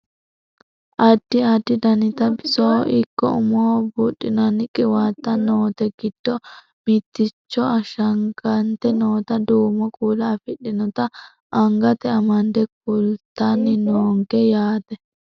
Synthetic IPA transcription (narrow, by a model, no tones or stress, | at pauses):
ʔɐd̪̥ːɪɐd̪ːɪd̪ɐnɪt̪ɐbɪsowʔɪkːɔ̰ʊ̰mɔwbuːɗɪnɐnɪkʼɪwaːt̪ːɐnoːt̪ɛɡɪd̪̥ːɔ | mɪt̪ːɪt͡ʃːɔɐʃɐŋɡɐnt̪ɛnoːt̪ɐd̪uːmɔkʼuːlɐːfɪɗːɪnɔt̪ɐ | ʔɐŋɡɐt̪ɛɐmɐnd̪ɛk̚ʊlt̪ːanːɪnoːŋɡɛjaːt̪ɛ